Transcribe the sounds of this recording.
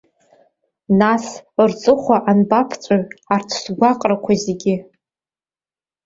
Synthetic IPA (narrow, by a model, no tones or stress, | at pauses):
nasrt͡sʼɨχʷaʔanbapʰt͡sʷʼaɥartʰsɡʷaqʼrakʷʰazeɡʲɪ